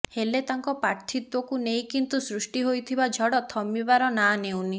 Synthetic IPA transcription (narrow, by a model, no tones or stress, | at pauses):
helet̪aŋkɔpaɾt̪ʰit̪wɔkunej̃kint̪usɾusʈiɦojt̪ʰibad͡ʒʱɔɽɔt̪ʰɔmibaɾɔnanewni